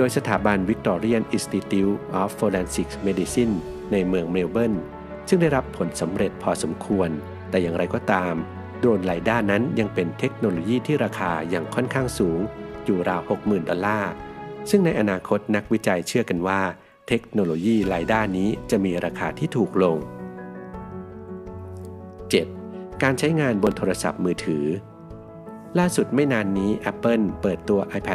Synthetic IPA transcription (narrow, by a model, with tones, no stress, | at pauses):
doː˧jsa˧t̪ʰaː˩˦ba˧nwi˦˥k̚t̪ɔː˧ɾi˥ənʔi˧˩st̪i˧t̪i˧˥wʔɔː˦˥foː˧lɛː˧nsi˨˩k̚meː˧˥di˧si˥˩nː | a˧jmɯ˧əŋme˧wbɤ˥˩n | sɯ˥˩ŋda˥˩jɾa˦˥pʰːo˩˦nsa˩˦mɾe˨˩t̪̚pʰɔː˧so˩˦mkʰu˧ən | t̪ɛː˨˩jaː˨˩ŋɾa˧jkɔː˧˩t̪aː˧m | doː˧nlaː˩˦jdaː˥˩nːa˦˥nja˧ŋpe˧nt̪ʰe˦˥k̚noː˧loː˧jiː˥˩t̪ʰiː˥˩ɾaː˧kʰaː˧jaː˨˩ŋkʰɔ˥˩nkʰaː˥˩ŋsuː˩˦ŋjuː˨˩ɾaː˧who˨˩k̚mɯː˨˩ndɔ˧lːaː˥˩sɯ˥˩ŋna˧jʔa˧naː˧kʰo˦˥t̪̚na˦˥k̚wi˦˥t͡ɕa˧jt͡ɕʰɯ˥˩ɐka˧nwaː˥˩ | t̪ʰe˦˥k̚noː˧loː˧jiː˥˩ɾaː˧jdaː˥˩niː˦˥t͡ɕa˨˩ʔmiː˧ɾaː˧kʰaː˧t̪ʰiː˥˩t̪ʰuː˨˩k̚lo˧ŋ | t͡ɕe˨˩t̪̚kaː˧nt͡ɕʰa˦˥jŋaː˧nbo˧nt̪ʰoː˧ɾa˧sa̰˨˩p̚mɯː˧t̪ʰɯː˩˦ | laː˥˩su˨˩t̪̚ma˥˩jnaː˧nːiː˦˥ʔɛ˦˥pːɤ˥˩npɤː˨˩t̪ːu˧ɐʔaː˧jpʰɛ˦˩